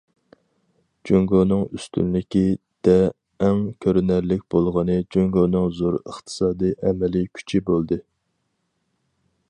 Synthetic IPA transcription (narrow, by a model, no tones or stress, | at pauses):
d͡ʒøŋɡonɨŋyst̪ʰy̰nlɪkʲi | d̪̥ɛː | ŋkʲʰøɾnæɾlɪk̚ʲb̥olˠʁɑnɨd͡ʒøŋɡonɨŋzoɾə̰χt̪ʰɨ̥sɑːd̪ɨjʔɛmɛlikʲʰy̥t͡ʃʰibolˠd̪ɨ